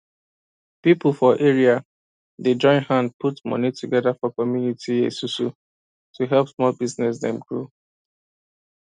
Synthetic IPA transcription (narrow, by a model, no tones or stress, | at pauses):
pipl̩ˠfɔʔɛɹia | ded͡ʒɔ̃ɪ̃nhãnd̚pʰutmʌ̰nitʰuɡɛðafɔkɔmjunitʰiḛsusṵ | tʰuɦɛlpsmɔlbiznɛs̬dɛ̰̃mɡɹo